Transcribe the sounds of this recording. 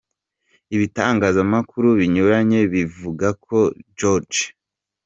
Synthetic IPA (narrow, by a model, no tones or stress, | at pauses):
iβitaːŋɡaːzamakuɾuβiɲuɾaɲe̞βivuɡakʰo̞d͡ʒoɾd͡ʒ